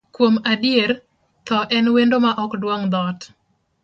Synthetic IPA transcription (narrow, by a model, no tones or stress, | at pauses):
kwomadɪjer | t̪ɔʔɛnwendomaʔɔkdwoŋd̪ɔt